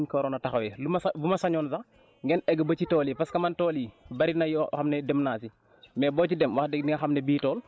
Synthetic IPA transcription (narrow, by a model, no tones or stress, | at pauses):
ɲkoɾoːnɐtaxawɛlumsbumɐsaɲɔːnsa | ŋɡɛnɛɡɐbɐt͡ʃitɔːlipaskɐmantɔːlibɐɾinajxamnɛdɛmnaːsi | mɛbɔːt͡ʃidɛmwaxdɛniŋɐxɐmnɛbiːtɔːl